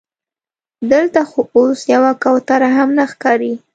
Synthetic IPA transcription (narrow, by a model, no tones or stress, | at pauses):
d̪əlt̪axoosjawakawt̪aɾaɦamnaxkɑɾi